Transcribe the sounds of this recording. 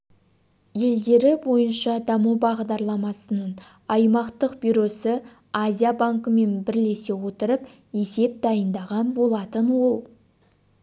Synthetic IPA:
je̞ld̪e̞ɾɪbo̞jənʃɑd̪ɑmubɑʁd̪ɑɾlˠɑmɑsənəɴ | ɑjmɑqt̪əqbyjɾo̞sə | azʲijabaŋkəme̞nbɪɾle̞se̞wo̞t̪əɾəp | e̞se̞p̚d̪ɑjənd̪ɑʁɑnbo̞lˠɑt̪ənwo̞lˠ

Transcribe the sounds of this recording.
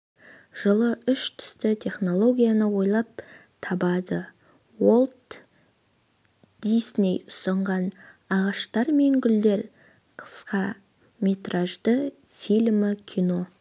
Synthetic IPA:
ʒ̥əlˠəʏʃt̪ʰʏ̥st̪ɪt̪ʲʰe̞χno̞lˠo̞ɡʲijanəwo̞jlˠɑp̚t̪ʰɑbɑd̪ə | wolˠt̪ | d̪̥isne̞jʊst̪ɑɴʁɑnɑʁɑʃt̪ɑɾme̞ŋɡʲʏld̪e̞ɾ | qʰə̥sqɑ | mʲe̞t̪ɾaʒd̪ə | filʲmɪkʲʰijno̞

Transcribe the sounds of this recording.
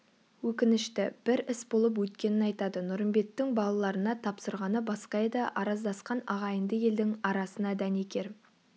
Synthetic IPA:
wɵkʲɪnɪʃt̪ɪb̥ɪɾɪsbo̞lˠəp̬wɵt̪kʲe̞nɪnɑjt̪ɑd̪ənʊɾəmbe̞t̪ːɪŋbɑlˠɑlˠɑɾənɑt̪ʰɑpsəɾʁɑnəbɑsqɑjɑd̪ɑʔɑɾɑzd̪ɑsqɑnɑʁɑjənd̪əje̞ld̪ɪŋɑɾɑsənɑd̪æne̞kʲe̞ɾ

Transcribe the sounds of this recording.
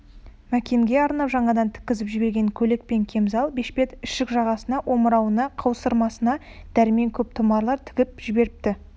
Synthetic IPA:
mækʲe̞ŋɡʲe̞ɑɾnɑpʒɑɴɑd̪ɑnt̪ʰɪ̥kʲɪzɪpʒɪbe̞ɾɡʲe̞ŋkʲʰɵle̞k̚pe̞ŋkʲʰe̞mzɑlˠbe̞ʃpe̞t̪ɪʃɪkʒɑʁɑsənɑʔo̞məɾɑwənɑqʰɑwsəɾmɑsənɑ | d̪̥æɾɪme̞ŋkʲʰɵp̚t̪ʰʊmɑɾlˠɑɾt̪ʰɪ̥ɡʲɪp̚ʒ̥ɪbe̞ɾɪp̚t̪ɪ

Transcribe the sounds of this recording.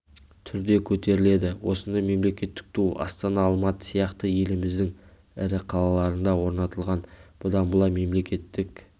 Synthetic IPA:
t̪ʰʏɾd̪e̞kʲʰɵt̪e̞ɾɪle̞d̪ɪwo̞sənd̪ɑjme̞mle̞kʲe̞t̪ːɪ̥k̚t̪ʰuɑ̰st̪ɑnɑːlˠmɑt̪ə̥sijɑqt̪əje̞lɪmɪzd̪ɪŋ | ɪɾɪqʰɑlˠɑlˠɑɾənd̪ɑwo̞ɾnɑt̪əlˠʁɑnb̥ʊd̪ɑnbʊlˠɑme̞mle̞kʲe̞t̪ːɪk

